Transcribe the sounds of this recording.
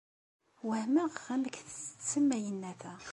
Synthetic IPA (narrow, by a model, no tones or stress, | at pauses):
wəhməʁæməkθə̥t͡sːə̥t͡sːəmːæjənːæθæ